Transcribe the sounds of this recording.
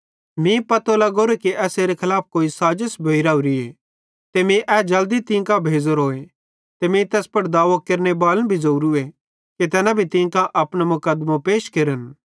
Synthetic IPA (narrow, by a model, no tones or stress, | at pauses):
mĩpɐt̪olaɡoːɾekiʔɛːseːɾekʰɐlaːp̚ʰkoːisaːd͡ʒəsbʱɐiɾaːuɾie | t̪emĩʔɛd͡ʒɐld̪it̪ɪ̃ːkãbʱeːd͡ʒoɾoːe | t̪emĩt̪ɛːspɐɽd̪aːʋakeɾnebaːlənbʱizouɾue | ket̪ɛːnãbʱit̪ɪ̃ːkãʔɐpɽ̃amʊkəd̪mãpeːʃkeːɾən